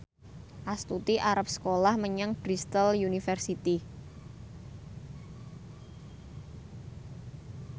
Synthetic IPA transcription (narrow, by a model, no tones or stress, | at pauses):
ʔast̪ut̪iʔaɾap̚sə̥kolahməɲəŋb̥ɾist̪əljunifɛrsit̪i